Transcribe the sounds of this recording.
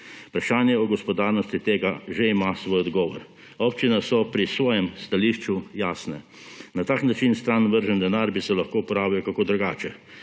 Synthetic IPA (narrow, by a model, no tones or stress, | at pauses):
pɾaʃaːnjɛɔɡɔspɔd̪aːɾnɔst̪it̪eːɡaʒeimasʋoːjɔd̪ɡɔːʋɔɾ | ɔpt͡ʃinasɔpɾisʋɔːjɛmst̪aliːʃt͡ʃujaːsnɛ | nat̪aːknat͡ʃinst̪ɾanʋəɾʒənd̪ɛnaɾbisɛlaxkoːpɔɾaːʋiɔkakoːd̪ɾuɡaːt͡ʃɛ